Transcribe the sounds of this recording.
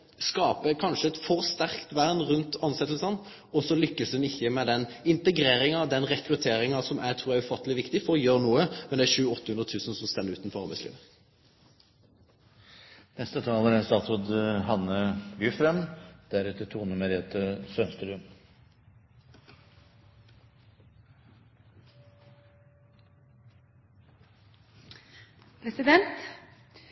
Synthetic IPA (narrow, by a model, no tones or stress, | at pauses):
skɑːpəkʰɑnʃəɛt̪fɔʁst̪æʁkt̪ʋæɾnʁʉnt̪ɑnsɛt̪l̩sən | ɔsɔlʏkːəsd̪ʉnɪçːəmɛd̪ɛnɪnt̪əɡɾeːɾɪŋɑʋd̪ɛnʁɛkɾʉt̪ʰeːɾɪŋɑsɔmʔæt̪ʰɾuːʁæʉfɑt̪ːəlɪʋɪkt̪ɪfɔʁɔjøːʁnuːəmɛnd̪ɛæɾʃʉːəɔt̪ːəhʉnd̪ʁət̪ʰʉːsən̩sɔmst̪ɛnːəɾʉːt̪nfɔɾʁɑɾʁbæ̰ɪslḭːʋə | nɛst̪ət̪ʰɑːləɾɛnst̪ɑːt̪sɔd̪ɦɑnəbyfɾɛmd̪̥æɾʉːt̪ət̪ʰuːnəmɛɾeːt̪əsœnst̪əɾʉm | pʰɾɛsɪd̪ɛnt̪